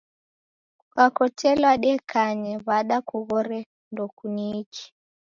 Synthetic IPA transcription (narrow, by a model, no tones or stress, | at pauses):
kakɔtʰɛlwaɗɛkʰaɲɛβaɗakuɣɔɾɛ | ndɔkuniiki̥